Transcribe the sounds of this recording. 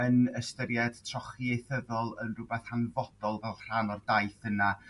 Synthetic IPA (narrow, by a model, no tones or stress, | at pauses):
ənəstəɾjɛd̥tʰrɔχiejθəðɔlˠənrʊbɛθhanvɔd̥ɔlˠvɛlˠr̥anɔrdajθəna